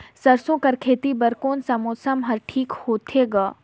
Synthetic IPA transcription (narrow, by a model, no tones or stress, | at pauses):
sɐɾsõkɐɾkʰeːt̪ibɐɾkoːnsɐmoːsəmɦɐɾʈʰiːkhoːt̪ʰeɡaː